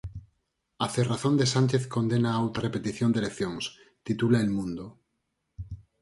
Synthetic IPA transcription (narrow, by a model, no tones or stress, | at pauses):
aθeraθond̪esant͡ʃeθkond̪enaawt̪arepet̪iθjond̪elekθjõŋs | t̪it̪ulaelmũnd̪o